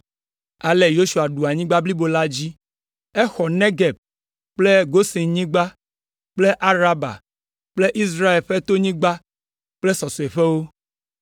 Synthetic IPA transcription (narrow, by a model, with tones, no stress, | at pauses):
a˨le˨jo˦ʃu˨a˨ɖu˨a˨ɲĩ˦ɡ͡ba˦bli˦bo˨la˦d͡ʑi˦ | ɛ˦xɔ˨nẽ˦ɡɛ˨b̚ | k͡ple˦ɡo˦si˨ɲĩ˦ɡ͡ba˦ | k͡ple˦ʔa˦ɾa˦ba̰˨ | k͡ple˦ʔi˦s̬ɾa˦e˨lɸe˦t̪o˦ɲĩ˦ɡ͡ba˦ | k͡ple˦sɔ˨so˨e˨ɸe˦wo˦